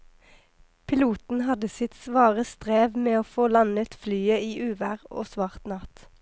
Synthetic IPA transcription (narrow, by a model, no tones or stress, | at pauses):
pʰɪluːt̪n̩hɑd̪əsɪt̪sʋɑːʁəst̪ʁeːʋmeːoːfoːlɑnət̪flyːəiːʔʉːʋæʁo̰ːsʋɑʁt̪nɑt̪